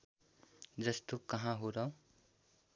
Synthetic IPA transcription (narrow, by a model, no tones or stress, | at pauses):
d͡zʌst̪okʌɦãɦuɾʌw